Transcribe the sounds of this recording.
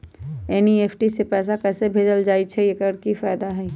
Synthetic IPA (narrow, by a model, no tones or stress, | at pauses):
ɛːnieːpʰʈisepɛːs̬akɛːsebʱeːd͡ʒəld͡ʒaːit͡ʃʰɛjekəɾkifaːd̪aɦɛ